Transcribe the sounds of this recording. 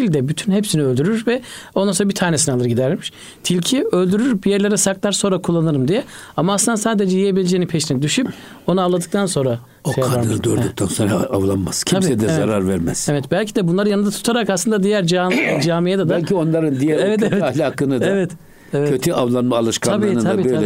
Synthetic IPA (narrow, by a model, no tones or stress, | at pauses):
ilʲd̪ɛbyt̪ʰynɦepsiniølʲd̪yɾyɾvɛ | ond̪ansoɾabit̪ʰaːnes̬inɛalˠɯɾɟid̪æɾmiʃ | t̪ʰilʲcʰiølʲd̪yɾyɾbijæɾlʲeɾɛsaklˠaɾso̞nɾakʰulˠːanɯɾɯmd̪ijɛamaaslɯnd̪asaːd̪ed͡ʒɛjijebilʲed͡ʒeinipʰeʃinid̪yʃyp | o̞nuavlˠad̪ɯk̚t̪ʰanso̞nɾa | oaaɾd̪ɯɾd̪oɾd̪uk̚t̪ʰanso̞nɾaavlˠanmascʰiʃsɛd̪ɛzaɾaɾvæɾmɛ̰z̥evɛt̪bælʲcʰid̪ɛbunlˠaɾɯjanɯnd̪at̪ʰu̥t̪ʰaɾakaslˠɯnd̪ad̪ijæɾd͡ʒad͡ʒaːmijed̪ad̪alʲʰio̞nlˠaɾɯnd̪ijɛɾvɛalʲaːkʰɯnɯd̪evɛt̪ | evɛkʰøt̪ʰyʔavlˠanmaːlˠɯʃkʰaaɯnaabiølʲɛ